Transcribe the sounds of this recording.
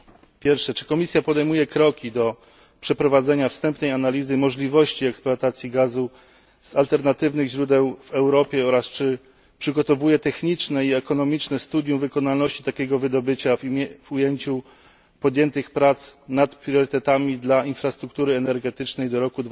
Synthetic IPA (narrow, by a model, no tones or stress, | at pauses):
pʲjɛɾfʂɛt͡ʂɘ̥kɔmʲisʲjapɔd̪ɛjmujɛkɾɔkʲid̪ɔ | pʂɛpɾɔvad̪zɛɲafst̪ɛmpnɛjanalʲizɘmɔʐlʲivɔɕt͡ɕiɛksploat̪at̪sʲjiɡazu | z̥alt̪ɛɾnat̪ɘvnɘɣʑɾud̪ɛwvɛwɾɔpʲjɛɔɾast͡ʂɘ | pʂɘɡɔt̪ɔvujɛt̪ɛxɲit͡ʂnɛiɛkɔnɔmʲit͡ʂnɛst̪ud̪jũvɘkɔnalnɔɕt͡ɕi̥t̪akʲɛɡɔvɘd̪ɔbɘt͡ɕavvujeɲt͡ɕu | pɔd̪ʲjɛnt̪ɘxpɾat̪snat̪pɾʲjɔɾɘt̪ɛt̪amʲid̪lainfɾast̪ɾuk̚t̪uɾɘɛnɛɾɡɛt̪ɘt͡ʂnɛjd̪ɔɾɔkud̪v